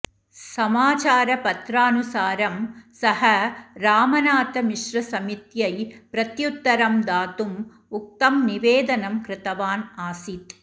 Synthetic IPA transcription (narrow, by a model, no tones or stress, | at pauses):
sɐmaːt͡ʃaːɾɐpɐt̪ɾaːnusaːɾɐmsɐhɐɾaːmɐnaːt̪ɐmiʃɾɐsɐmit̪jɐjpɾɐt̪jut̪ːɐɾɐmd̪aːt̪um | uk̚t̪ɐmniʋeːd̪ɐnɐmkɾɪt̪ɐʋaːnaːsit̪